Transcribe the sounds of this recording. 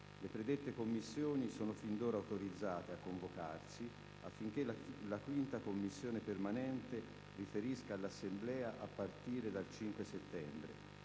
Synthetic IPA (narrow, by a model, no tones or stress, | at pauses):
lepɾed̪et̪ːekomːisːjoːnisoːnofind̪oːɾawt̪oɾid̪zːaːt̪eakːoɱvoka̰rsi | afːiŋk̟elakwint̪akomːisːjoːnepermanɛnt̪e | rifeɾiskaːlːasːemblɛːaʔapːart̪iːɾed̪alt͡ʃiŋkweset̪ːɛmbɾḛ